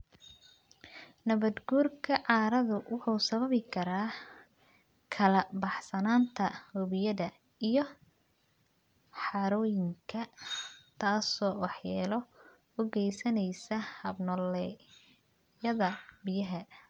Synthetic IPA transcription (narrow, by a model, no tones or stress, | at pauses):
nɐβɐd̪ɡuːrkʰɐʕɑːɾɐðʊwʊħuːsɐβɐβɪkʰɐɾaː | kʰɐlɐbɑħsɐnaːnt̪ʰɐhʊβɪjɐðɐ | ijɔ | ħɑɾɔːjɪŋkʰɐt̪ʰaːsɔːwɑħjaːlɔ | ʊɡɛjsɐnɛjsɐhɐbnɔlɛ | jɐðɐbɪjɐɦɐ